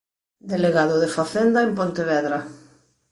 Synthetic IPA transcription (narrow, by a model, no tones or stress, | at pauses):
d̪eleɣaðoðefaθend̪aempont̪eβ̞ɛðɾa